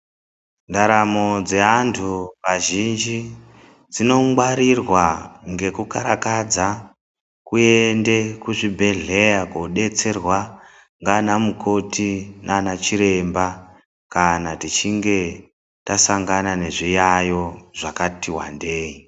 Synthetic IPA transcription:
ndaɾamo̞d͡ze̞antʰuʋaʒind͡ʒi | d͡zino̞mwaɾirwaŋɡe̞kukaɾakad͡za | kuende̞kuʐibʱe̞ɮe̞jakoɗe̞t͡se̞rwa | ŋɡanamukʰo̞tʰinanat͡ʃiɾe̞mba | kanatit͡ʃiŋɡe̞ | tasaŋɡanane̞ʐijajo̞ʐakatiwa̰ndeːji

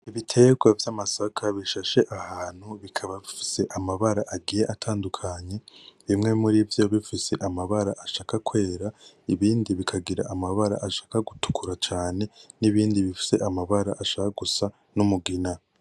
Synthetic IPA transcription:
iβitʰe̞ɡwavjaːmasakʰaβiʃaʃe̞ʔahaːn̥huβikʰaβaβifise̞ʔamaβaɾaʔaɡije̞ʔatʰaːndukʰaɲe̞βimŋe̞muɾivjoβifise̞ʔamaβaɾaʔaʃaːkakwe̞ːɾa | iβiːndiβikʰaɡiɾa̰ʔamaβaɾa̰ʔaʃḁːkaɡutu̥kuɾat͡ʃaːne̞niβiːndiβifi̥se̞ʔamaβaɾa̰ʔaʃaːkaɡusa | numuɡina

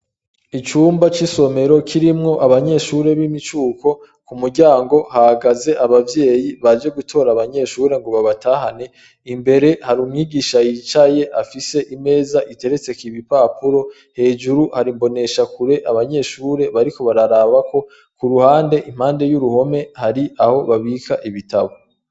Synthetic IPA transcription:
it͡ʃuːmbat͡ʃiso̞me̞ɾo̞kʰiɾimŋo̞ʔaβaɲe̞ʃuɾe̞βimit͡ʃuːko̞ | kumuɾɟaːŋɡo̞hahaɡaze̞ʔaβavje̞ːjiβad͡ʒe̞ɡutʰo̞ːɾaβaɲe̞ʃuːɾe̞ŋɡoβaβataːɦane̞ | imbe̞ɾe̞haɾuːmŋiːɡiʃajit͡ʃaje̞ʔafise̞ʔime̞ːzaʔite̞ɾe̞t͡se̞kiβipapuɾo̞ | he̞ːʒuɾuhaɾimbo̞ne̞ʃakuɾe̞ʔaβaɲe̞ʃuːɾe̞βaɾiko̞βaɾaɾaːβako̞ | kuɾuhaːnde̞ʔim̥haːnde̞juɾuho̞me̞haɾiaho̞βaβikʰaʔiβitaβo

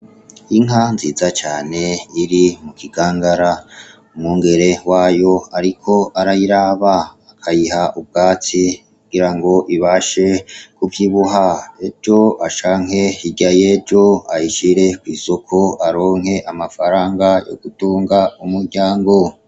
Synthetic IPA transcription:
iŋɦanziːzat͡ʃaːne̞iɾimukiɡaːŋɡaɾa | umŋuːŋɡe̞ɾe̞waːjo̞aɾikʰo̞aɾajiɾaβaː | kʰajihaub̚ɡaːt͡sikuɡ̥iɾaŋɡo̞ʔiβaʃe̞kuvjiβuɦae̞d͡ʒo̞ʔaʃaːŋ̥he̞iɟaje̞d͡ʒo̞ajiʃiɾe̞kwiːso̞kʰo̞aɾo̞ːŋ̥he̞ʔamafaɾaːŋɡajo̞̰ɡ̥utuːŋɡaumuɾɟaːŋɡo̞

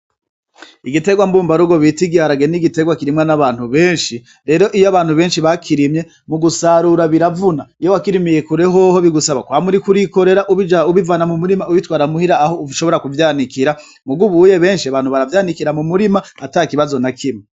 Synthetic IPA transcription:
iɡite̞ɡwambuːmbaɾuɡo̞βitiɡiaɾaɡe̞niɡite̞ɡwakiɾimŋanaβaːn̥huβe̞ːnʃi | ɾe̞ɾo̞ʔijoaβaːn̥huβe̞ːnʃiβakʰiɾimɲe̞ | muɡusaɾuɾaβiɾavunaijowakiɾimijekuɾe̞ɦoho̞βiɡusaβakwaːmuɾikuɾiko̞ɾe̞ɾaʔuβid͡ʒauβivaːnamumuɾimauβitwaːɾamuhiɾaːho̞uʃo̞βo̞ɾakuvjaːnikiɾa | muɡuβuje̞βe̞ːnʃiaβaːn̥huβaɾavjaːnikiɾamumuɾimaatakiβazo̞nakʰimi

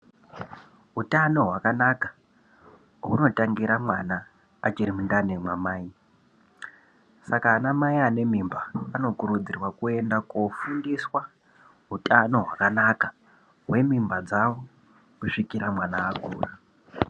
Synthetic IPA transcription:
ɦutano̞ɦwakanakḁ | ɦuno̞taŋɡiɾamwanaː | t͡ʃiɾimundanemwamaːi | sakaːnamaiane̞mimbaːno̞kuɾud͡zirwakue̞ndakofundiswa | ɦutano̞ɦwakanaka | ɦwe̞mimbad͡zawo | kuʂikiɾamwanaːɡuːra

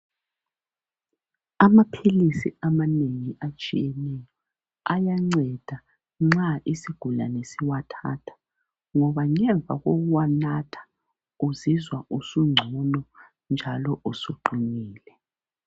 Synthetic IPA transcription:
amapʰilisḭamaneŋiʔat͡ʃʼijɛnɛjɔ | ajaŋ͡ǀɛd̥ʱa | ŋ͡ǁaʔisiɡ̥ʱula̰nesiwatʰa̰ːtʰḁ | ŋɔβaŋɛɱb̪vʱa̰ɣoɣuwanatʰḁ | uzizwausuŋ͡ǀʱunɔ | nd͡ʒʱalɔʔusuǃumiːlɛ

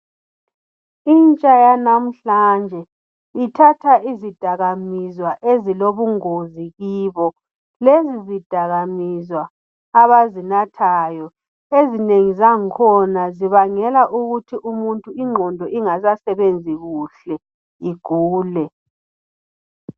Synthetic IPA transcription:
int͡ʃʼajanam̩ɬand͡ʒʱɛ | itʰatʰaʔizid̥ʱaɣamizwaʔeziloβuŋoziɣiβɔ | lezizid̥ʱaɣamizwaː | βazinatʰaːjɔ | ezineŋizaŋikʰɔnaziβaŋɛlaʔuɣutʰiʔumuntʼuiŋ͡ǃʱɔndʱɔʔiŋazasɛβend͡zʱiɣuɬɛ | iɡ̥ʱuːlɛ

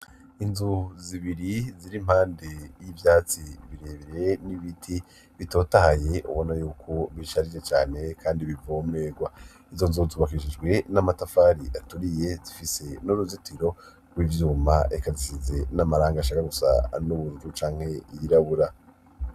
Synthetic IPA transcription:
inzuziβiɾiziɾim̥haːnde̞jivjaːt͡siβiɾe̞ːβiɾe̞niβitʰi | βito̞ːtahaje̞ʔṵβo̞najuːkʰoβiʃaɾid͡ʒet͡ʃaːne̞kʰaːndiβivomne̞ːɡwa | izo̞nzuzuβakiʃid͡ʒɡwe̞namatafaɾiʔatuɾije̞zifise̞nuɾuzitʰiɾo̞ | ɡwivjuːmaʔekazisize̞namaɾaːŋɡaʃakaɡusa̰nuβuɾud͡ʒut͡ʃaːŋ̥he̞ijiɾaβuɾa

